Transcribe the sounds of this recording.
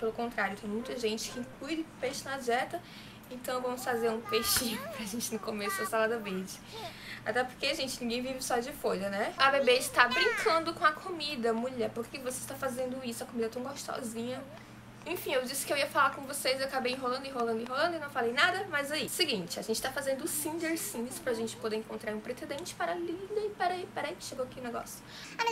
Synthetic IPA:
pelʊkõnt̪ɾaɾjʊt̪ẽj̃mũj̃t̪ɐʒẽnt͡ʃɪ̥kɪĩklujɾɪpejʃɪnaʒɛt̪ɐ | ẽnt̪ɐ̃w̃vɐ̃mʊsfazeɾũpejʃĩʊpɾɐʒẽnt͡ʃɪnʊkomesʊd̪ɐsalad̪ɐveɾd͡ʒɪ | a̰t̪ɛpoɾkeaʒẽnt͡ʃɪnĩɡẽj̃vivɪsɔd͡ʒɪfoʎɐnɛɐbebed͡ʒɪt̪abɾĩŋkʰɐ̃nd̪ʊkõɐkʰomid̪ɐmuʎɛɾpoɾkekɪvoseɪʃt̪afazẽnd̪ʊisʊɐkomid̪ɐt̪ɐ̃w̃ɡoʃt̪ɔ̰zĩɲɐ | ẽfĩewd͡ʒisɪ̥kɪewiɐfalakõvosezewakabejĩɦolɐ̃nd̪ʊɪɦolɐ̃nd̪ĩɦolɐ̃nd̪ʊinɐ̃w̃falejnad̪ɐmajzaisɪɡĩt͡ʃɪa̰ʒẽnt͡ʃɪ̥t̪afazẽnd̪ʊsĩd͡ʒeɾsĩspɾɐʒẽnt͡ʃɪ̥pod̪eɾẽŋkõnt̪ɾaɾũpɾesed̪ẽt͡ʃɪ̥paɾalĩd̪ɐɪpɛɾɐipɛɾɐikɪ̥ʃeɡowakiʊ̃nɛɡɔ̰sjʊ̥ | a

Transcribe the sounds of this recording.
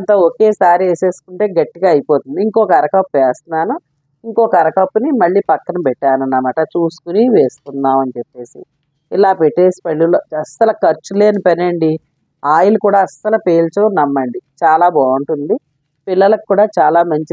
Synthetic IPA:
ɐnt̪aːoke̞ːsaːɾieːse̞ːsu̥kuɳʈe̞ːɡɐʈːiɡaːɐjipo̞ːt̪und̪iiŋko̞ːkɐɾɐkɐpːuʋeːst̪unaːnu | iŋkoːkɐɾɐkɐpːunimɐɭːiːpɐkːɐnɐmpɛʈːaːnɐnːɐmaːʈɐt͡ʃuːsu̥kuniʋe̞ːst̪unːaːmɐnut͡ʃepːe̞ːsḭ | ilaːpeʈːe̞ːsi̥pɐɭːiloːɐsɐlɐkɐɾt͡ʃːule̞ːnipɐnɐɳɖi | aːjilukuːɽaːɐsɐlɐpeːlt͡ʃoːnɐmːɐɳɖit͡ʃaːlaːbɔːuɳʈund̪i | pilːɐlɐkkːuːɽaːt͡ʃaːlaːmɐɲt͡ʃi

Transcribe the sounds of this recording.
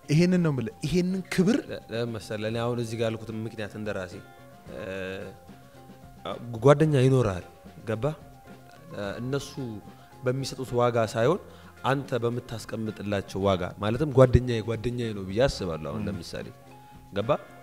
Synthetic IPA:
ʔihenːɨnːəwmɨləɪɦenːɨnkʰɨβɨɾməsələneahunɨzːiɡalkʰut̪ʰɨmmɨknijat̪ɨnd̪əɾase̞ | ɡwad̪ːəɲːajɪno̞ɾa̰l | ɡəbːa | ɨ̰nːəsu | bəmːisət̪ʼut̪waɡasajho̞n | ʔant̪ʰəbəmːɨt̪ːaskʼəmːɨt̪ʼɨlːat͡ʃːɛwwaɡa̰malət̪ɨmɡʷad̪ːəɲːajɛɡʷad̪ːəɲːajɛnəwbɨjːeasɨβa̰lːua̰hṵnləmɨsa̰lḛ | ɡəbːa

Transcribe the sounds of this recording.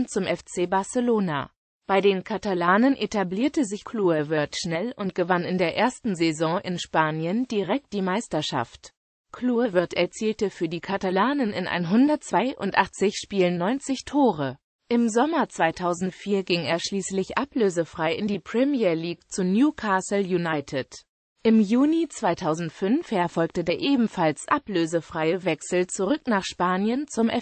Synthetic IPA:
nt͡sʊmʔɛft͡seːbaɐsəloːna̰ | b̥aɪdeːnkʰatalaːnənʔetabliːɐtəzɪçkʰluːəvɪɐtʃnɛlʊnt̚ɡ̥əvanɪndeːɐʔeːɐstn̩zɛzɔ̃ːʔɪ̰nʃpaːnjəndiʁɛk̚t̚d̥iːmaɪstɐʃa̰ft | kʰluːəvɪɐtɛɐt͡siːltəfyːɐdiːkʰatalaːnənɪ̰nʔa̰ɪnɦʊndɐt̚t͡sv̥aɪʔʊ̰ntʔaχt͡sɪçʃpiːlənnːɔʏnt͡sɪçtʰoːʁə | ʔɪmzɔmɐt͡sv̥aɪtʰaʊzn̩tfiːɐɡɪŋeːɐʃliːslɪçʔapløːzəfʁ̥aɪɪndiːpʁ̥ɛmiɐɐliːkt͡sunjuːkʰaːsl̩junaɪtʰɪt | ʔɪmjuːnit͡sv̥aɪtʰaʊzn̩tfʏnfhɛɐfɔlk̚tədeːɐʔeːbm̩falsʔapløːzəfʁ̥aɪəvɛksl̩t͡suʁʏknaːχʃpaːnjənt͡sʊmʔɛ

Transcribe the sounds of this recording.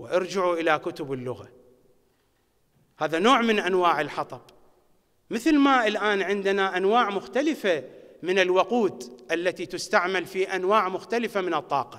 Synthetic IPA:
wɪʔɑɾd͡ʒɪʕuʔɪlakʊt̪ʊbɪlːʊɣa | haːðanoːʕmɪnʔanwaːʕɪlħɑt̪ˤɑb | mɪθlmaʔɪlʔaːnʕɪnd̪anaʔanwaːʕmʊxt̪alɪfamɪnɪlwʊquːd̪ʔalːat̪it̪ʊst̪aʕmalfiʔanwaːʕmʊxt̪alɪfamɪnɨt̪ˤːɑːqɑ̥

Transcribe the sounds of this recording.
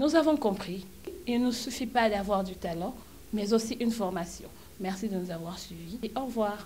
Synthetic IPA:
nuzavɔ̃kɔ̃pχi | ilnusyfipad̪avwaʁd̪yt̪alɑ̃ | mɛzosiʔynfɔʁmasjɔ̰̃ | mɛʁsid̪ənuzavwaʁsɥivieʔɔʁvwaːʁ

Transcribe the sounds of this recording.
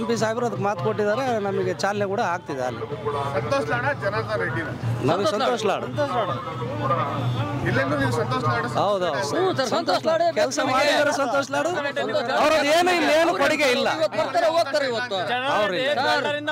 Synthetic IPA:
mpis̬aːibɾuɐd̪ɐkːmaːt̪̚koʈ̬ːid̪aːɾenɐmɐɡet͡ʃaːlnekuːɽɐaːɡ̚t̪id̪ea̰lːḭsɐnt̪oːʃɐaːɽd͡ʒɐnaɡ̪aɾiɽiɐnɐmɐɡesɐnt̪oːʂɐla̰ːɽṵt̪ːaɽ | ilːind̪unisɐnt̪oːʃɐlaɽɦɐwd̪uɐwd̪uɐsɐnt̪oːɐaɽkɛlsɐmaːɽid̪aːɾesɐnt̪oːʂɐlaːɽuɐɐʋɾod̪eːnuilːeːnupɐɽiɡeilːɐiʋɐt̪ːbɐɾt̪aːɾeoːɡ̚t̪aːɾeiʋɐt̪ːɐʋɾiɾ

